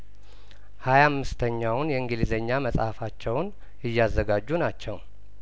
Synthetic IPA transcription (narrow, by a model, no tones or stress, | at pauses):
hajamːɨst̪ʰəɲːawnjɛɨŋɡɨlizəɲːaməsʼhafat͡ʃːɛwn | ɨjːazːəɡad͡ʒːunat͡ʃːɛw